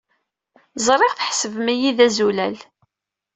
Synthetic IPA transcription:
zˤɾˤeʁθəħsəvmæjiðæzulæl

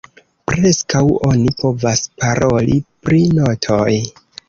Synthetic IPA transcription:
pɾe̞skawo̞nipo̞vaspaɾʔo̞lipɾino̞tʰoj

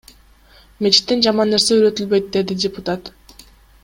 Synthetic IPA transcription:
me̞t͡ʃi̥t̪ːend͡ʒɑmɑnːe̞ɾse̞yɾø̞t̪ylbø̞jt̪̚d̪e̞d̪idʲɪpʊt̪at̪

